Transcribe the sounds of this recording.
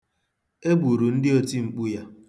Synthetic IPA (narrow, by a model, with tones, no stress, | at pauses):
e˦bu˨ɾu˨n̩˦dɪ˦o˦ti˦ŋ͡m̩˨k͡pu˦ja˦